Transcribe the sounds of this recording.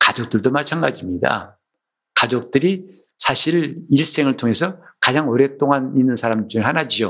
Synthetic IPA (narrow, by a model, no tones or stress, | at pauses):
kad͡ʑok̚t͈ɯɭdomat͡ɕʰanɡad͡ʑimɲida̰ | kad͡ʑok̚t͈ɯɾi | sʰaɕʰiɾiɭs͈e̞ŋɯɭtʰoŋe̞sʰʌ | kad͡ʑaŋʌɾjʌt͈oŋaninːɯnsʰaɾamd͡ʑuŋehanad͡ʑio